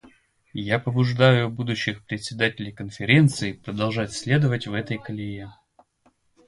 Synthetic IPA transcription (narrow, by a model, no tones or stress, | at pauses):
japəbʊʐd̪ajʊbud̪ʊɕːɪxpɾʲɪt̪ʲsʲɪd̪atʲɪlʲɪjkənfʲɪɾʲe̞nt̪sɨɪpɾəd̪ɐlˠʐatʲsʲlʲed̪əvətʲvɛt̪əjkəlʲɪje